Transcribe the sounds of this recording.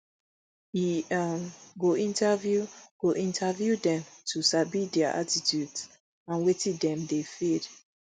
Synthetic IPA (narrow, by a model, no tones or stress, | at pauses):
i | ɡoʔĩntavjuɡ̥oʔĩntʰavjudɛ̃mtʰusabidɛaʔa̰titjuts | ãnwetĩdɛ̃mdefid̥